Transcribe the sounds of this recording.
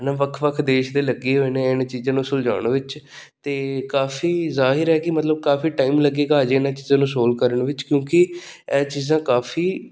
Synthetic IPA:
nãːʋəkʰʋəkʰd̪eːʃd̪eːləɡeːɦoːeːnẽːɪnːt͡ʃiːzãːnũːsʊld͡ʒa̰ːɳ̃ːʋɪt͡ʃ | t̪eːkaːfʰiːzaːɦɪɾɛːkɪmət̪ləb̚kaːfiːʈaːiːmləɡeːɡaːd͡ʒeːnãːt͡ʃiːzãːnũːsoːlkəɾəɳʋɪt͡ʃkjõːkɪɛːt͡ʃiːzãːkaːpʰiː

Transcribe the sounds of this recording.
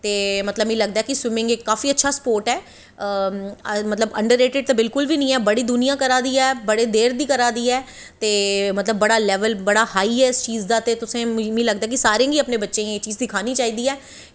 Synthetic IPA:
t̪eːmət̪ləbmĩːləɡd̪aɛkɪswɪmɪ̃ŋɡekːaːfiːətːʃʰaːspoːɾʈɛː | mət̪ləbə̰̃ɳɖəɾːeːʈɪɖ̚t̪abɪlkʊlʋiːnəĩːɛːbəɽiːd̪ʊnɪjãːkəɾaːd̪iːɛːbəɽeːd̪eːɾd̪iːkəɾaːd̪iːɛː | t̪eːmət̪ləbːəɽaːlɛːʋəlbəɽaːhaːiːɛːɪst͡ʃiːzd̪aːt̪eːt̪ʊsẽːmĩːləɡd̪aɛk̬ɪsaːɾeãːɡiːəpneːbətːʃẽːt͡ʃiːzd̪ɪkʰaːniːt͡ʃaːiːd̪iːɛː

